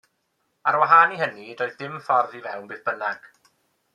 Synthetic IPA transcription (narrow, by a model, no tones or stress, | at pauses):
aɾwaɦaːniɦənidoːɨðːɪmfɔrðivɛwnbɨːθb̥ənaɡ̥